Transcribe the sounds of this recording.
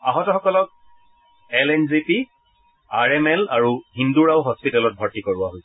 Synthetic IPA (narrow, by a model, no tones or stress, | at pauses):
aɦɔtɔxɔkɔlɔk̚ | ɛlɛnzipi | aɹɛmɛlaɹuhinduɹaʊɦɔspitalɔt̚bʱɔɹtikoɹuwaɦojs